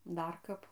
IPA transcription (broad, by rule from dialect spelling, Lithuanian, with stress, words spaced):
ˈdɐr ˈkɐp